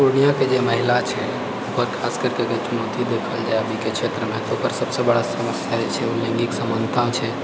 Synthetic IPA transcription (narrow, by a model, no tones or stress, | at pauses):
oñijaked͡ʒeməɦilat͡ʃʰɛ | upəɾkʰaskəɾkeket͡ʃunot̪id̪ekʰəld͡ʒaeəbʱikekʃʰet̪ɾəmẽt̪oupəɾsəbsebəɽasəməsjad͡ʒet͡ʃʰɛulɛ̃ŋɡiksəmənd̪ʱt̪ãw̃t͡ʃʰɛ